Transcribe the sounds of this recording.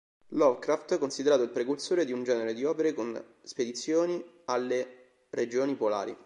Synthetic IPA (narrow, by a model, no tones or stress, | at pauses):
lɔvkɾaft̪konsid̪eɾaːt̪oilpɾekulsoːɾed̪iund͡ʒɛːneɾed̪iɔːpeɾekon | sped̪it̪sːjoːni | alːe | ɾed͡ʒoːnipola̰ːɾḭ